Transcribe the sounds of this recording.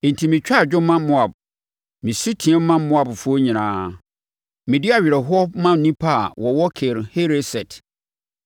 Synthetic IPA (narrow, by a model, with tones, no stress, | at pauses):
e˨n̩˨tʰi˨mĩ˨t͡ɕᶣa˦˨d͡ʑᶣʊ̃˦mã˦mʊ̃˦a˨b̚ | mĩ˨si˦tʰĩ˨˦ɛ˦m̩˦mã˦mʊ̃˦a˨bfu˦o˦ɲĩ˨nãː˨˦ | mĩ˨dɪ˦a˨ɥɪ˨ɾɛ˨ɦʊ˦ɔ˦mã˦˨nĩ˦pʰa˦˨wʔɔ˨wɔ˦kʰe˨ɾhe˦ɾe˦sɛ˨t